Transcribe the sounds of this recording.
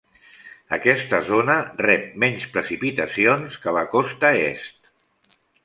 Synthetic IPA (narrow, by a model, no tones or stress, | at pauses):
ə̰kɛst̪əzonərɛp̚mɛɲspɾəsipit̪əsionskələkɔst̪əḛst̪